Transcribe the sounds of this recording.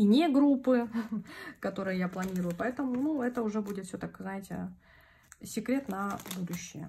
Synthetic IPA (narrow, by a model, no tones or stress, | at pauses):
inʲeɡɾupːɨ | kɐt̪o̞ɾɨjəjaplˠɐnʲiɾʊjʊpɐɛt̪əmʊnuɛt̪əʊʐɛbudʲɪt̪fʲsʲɵt̪akznajɪtʲɪ̰ | sʲɪkɾʲe̞t̪nɐbud̪ʊɕːɪjə̰